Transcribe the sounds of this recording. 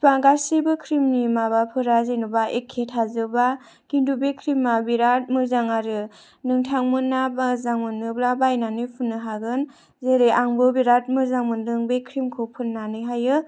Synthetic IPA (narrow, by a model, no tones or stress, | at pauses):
paɡasibɯkʰɾimnimabapʰɯɾazenubaekʰːetʰazɯba | kindubekʰɾimːabiɾat̚mɯzaŋaɾɯ | nɯŋtʰaŋmɯnːabazaŋmɯnːɯblabajnanɯjpʰunːɯɦaɡɯn | zeɾeʔaŋbɯbiɾat̚mɯzaŋmɯndɯŋbekʰɾimkʰopʰɯnːanɯɦajɯ